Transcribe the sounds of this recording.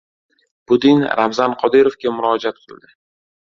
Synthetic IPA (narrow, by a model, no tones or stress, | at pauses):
b̥ʊd̪ɪnɾamzanqʰɒd̪ɪɾovɡʲamʊɾɒd͡ʒat̪̚qʰɨlˠd̪ɪ